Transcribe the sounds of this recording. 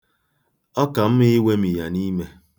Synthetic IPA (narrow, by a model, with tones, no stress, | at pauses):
ɔ˦ka˨m̩˦mɪ˦we˦mi˨ja˨ni˦me˦